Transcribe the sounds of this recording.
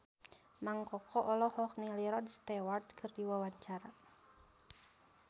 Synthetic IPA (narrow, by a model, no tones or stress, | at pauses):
maŋkɔkʰɔʔɔlɔhɔk̚niliɾɔdst̪ɛwardkʰɨrdiwawaɲt͡ʃaɾa